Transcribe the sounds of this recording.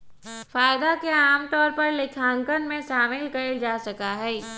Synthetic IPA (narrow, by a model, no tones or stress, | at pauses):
faːjɪd̪akeaːmt̪ɔːɾpɐɾlɪkʰãːŋkənmẽʃaːmɪlkɐeld͡ʒaːsɐkaɦɛː